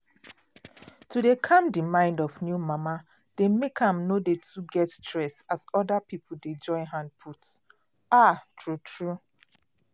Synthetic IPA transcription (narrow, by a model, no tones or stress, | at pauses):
tʰudekʰãmdimãɪ̃ndɔfnjumama | d̥emekʰãmnodetʰuɡɛttɹɛsasɔdapip̩ded͡ʒɔ̃ɪɦãnd̚pʰut | atʰɹutʰɹu